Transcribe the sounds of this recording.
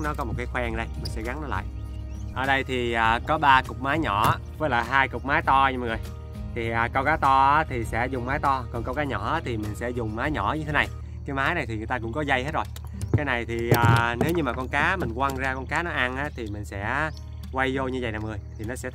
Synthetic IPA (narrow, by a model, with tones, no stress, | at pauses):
nɔ˨˦kɔ˨˦mo˨˩t̚kaː˨˦xwɛ˧ŋɗə˧jmï˨˩ŋ̟sɛ̰˧˥ɣa˨˦ŋnɔ˨˦la̰ː˧˨jʔ | ʔəː˨˩ɗə˧jt̪ʰi˨˩ʔaː˨˩kɔ˨˦ɓaː˧kʊ˨˩k͡p̚maː˨˦jɲɔ˧˩˦və˨˦jla̰ː˨˩ɦaː˧jkʊ˨˩k͡p̚maː˨˦jt̪ɔ˧ɲ˧˨ŋɨ˨˩əj | t̪ʰi˨˩ʔaː˨˩kə˧wkaː˨˦t̪ɔ˧a˨˦t̪ʰi˨˩sɛ̰˧˥zʊ˨˩ŋ͡mmaː˨˦jt̪ɔ˧kɔ˨˩nkə˧wkaː˨˦ɲɔ˧˩aː˨˦˥t̪ʰi˨˩mï˨˩ŋ̟sɛ̰˧˥zʊ˨˩ŋ͡mmaː˨˦jɲɔ˧˩ɲɨ˧t̪ʰe˨˦na˨˩j | kaː˨˦jmaː˨˦jna˨˩jt̪i˨˩˨əjt̪aː˧kʊ̰˧˥ŋ͡mkɔ˨˦zə˧jhe˦˥t̚zo˨˩j | kaː˨˦jna˨˩jt̪ʰi˨˩ʔəː˨˩ne˨˦wɲɨ˧maː˨˩kɔ˧nkaː˨˦mï˨˩ŋ̟kwaː˧ŋzaː˧kɔ˧nkaː˨˦nɔ˨˦ʔa˧nʔaː˨˦˥t̪ʰi˨˩mï˨˩ŋ̟sɛ̰˧˥ | kwa˧jzo˧ɲɨ˧və˨jnaː˨mŋɨ˨˩əjt̪ʰi˨˩nɔ˨˦sɛ̰˧˥